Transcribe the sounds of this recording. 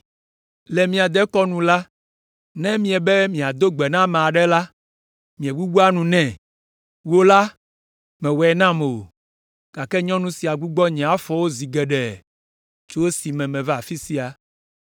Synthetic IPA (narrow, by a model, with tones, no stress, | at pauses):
lɛ˨mĩ˨a˨d̪ɛ˦kɔ˦nũ˨la˦ | nɛ̃˦mĩ˨ɛ˨bɛ˦mĩ˨a˨d̪o˦ɡ͡bɛ˨nã˦mẽ˨a˨ɖɛ˦la˦ | mĩ˨ɛ˨ɡ͡bu˦ɡ͡bu˦a˦nũ˨nɛ̃˨ | wo˦la˦ | mɛ̃˨wɛ˨ɛ˨nã˦me˨o̰˨ | ka˨kɛ˦ɲɔ̃˦nũ˦si˨a˨ɡ͡bu˦ɡ͡bɔ˦ɲɛ̃˨a˦fɔ˦wo˦zi˨ɡɛ˨ɖɛ˨ | t͡ʃo˦wo˦si˨mɛ̃˨mɛ̃˨vɛ˦a˨fi˦si˦a˨